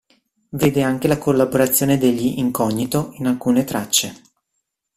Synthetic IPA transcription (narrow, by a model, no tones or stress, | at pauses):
veːd̪eaŋk̟elakolːaboɾat̪sːjoːned̪eʎːiʔiŋkɔɲːit̪oinalkuːnet̪ɾat͡ʃːe